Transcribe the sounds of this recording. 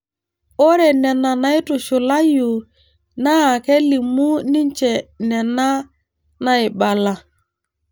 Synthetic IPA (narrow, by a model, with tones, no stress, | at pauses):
o˦ɾɛ˨nɛ˨na˨na˨ɪ˦tʊ˨ʃʊ˨la˦ju˨ | na˦a˨ke˦li˨mu˦ni˦n˦t͡ʃɛ˨nɛ˨na˦ | na˨ɪ˨ɓa˨la˨